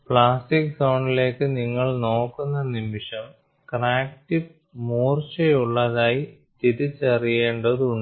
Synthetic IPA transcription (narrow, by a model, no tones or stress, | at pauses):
pɭaːsʈiksɐwɳɖile̞ːkːɨniŋːɐɭno̞ːkːunːɐnimiʂɐm | kraːktiʋ | muːrt͡ɕɐjuɭːɐðaːji | t̪iðut͡ɕːerijeːɳɖɐðuuɳɖ